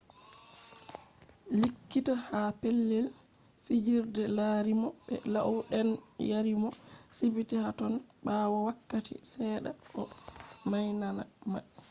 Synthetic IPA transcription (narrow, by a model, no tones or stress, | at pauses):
likːitahapelːɛl | fid͡ʒiɾdɛlaɾimɔɓɛ̰laʔwɗɛnjaɾimɔsibitihatɔnɓawɔwakːatḭsɛːɗa̰ʔɔmajnanama